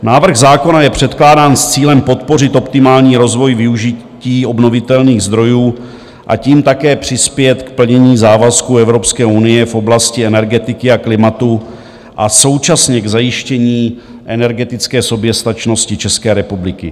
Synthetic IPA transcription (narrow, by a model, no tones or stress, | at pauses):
naːvr̩ɣzaːko̞najɛpr̝̥ɛt̪klaːdaːnst͡siːlɛmpo̞t̪po̞rɪt̪ʔo̞pt̪ɪmaːlɲiːɾo̞zvo̞jvɪuʒɪ | ciːo̞bno̞vɪt̪ɛlniːɣzd̪ɾo̞juː | ʔa̰ciːmt̪akɛːpr̝̥ɪspjɛt̪kpl̩ɲɛɲiːzaːvaskuɛvɾo̞pskɛːunɪjɛfʔo̞blascɪɛnɛɾɡɛt̪ɪkɪaklɪmat̪u | ʔaso̞wt͡ʃasɲɛɡzajɪʃcɛɲiː | ʔɛnɛɾɡɛt̪ɪt͡skɛːso̞bjɛst̪at͡ʃno̞scɪt͡ʃɛskɛːɾɛpublɪkɪ